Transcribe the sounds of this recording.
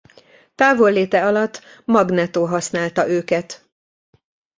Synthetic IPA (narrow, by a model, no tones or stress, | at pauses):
t̪aːvo̞lːeːt̪ɛɒlɒt̪ː | mɒɡnɛt̪oːɦɒsnaːlt̪ɒʔøːkɛt̪